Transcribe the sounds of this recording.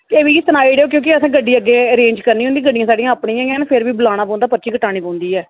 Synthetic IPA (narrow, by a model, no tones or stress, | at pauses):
eːʋiːt̪ənaːiːɽeːoːkjõːkɪəsãːɡəɖːiːəɡːeːəɾẽːnd͡ʒkəɾniːɦʊ̃nd̪iːɡəɖːijãːsaːɖĩːãːpɳiːãːãːnpʰɪɾʋiːbəlaːɽ̃aːpɔ̃ʊ̃nd̪aːpəɾt͡ʃiːkəʈaːɽ̃iːpɔ̃ːʊ̃nd̪iːɛː